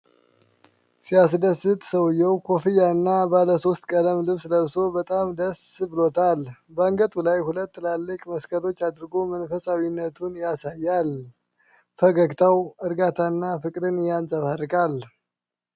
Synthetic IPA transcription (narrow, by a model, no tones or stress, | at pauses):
sias̬d̪əsːɨt̪ʼsəwjːɛwkʰo̞fijaɨnːabaləso̞st̪kʼələmlɨβsləβso̞bət̪ʼamd̪əsɨbɨlo̞t̪ʰalbəɨŋɡət̪ʼulajhulət̪ːɨlalːɨkʼməskʰəlo̞t͡ʃːad̪ɾɡomənfəsʼawinːət̪ʰunjasajːal | fəɡəɡt̪ʰawɨɾɡat̪ʰaɨnːafɨkʼd̪ɨnjansʼəβarːɨkʼal